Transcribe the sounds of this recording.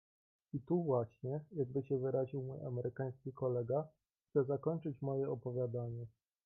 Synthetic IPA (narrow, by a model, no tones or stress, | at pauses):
it̪uvwaɕɲɛjaɡ̚bɘɕɛvɘɾaʑiwmuja̰mɛɾʔɘkaj̃skʲikɔlɛɡa | xt̪sɛzakɔɲt͡ʂɘt͡ɕmɔjɛɔpɔvʲjad̪aɲɛ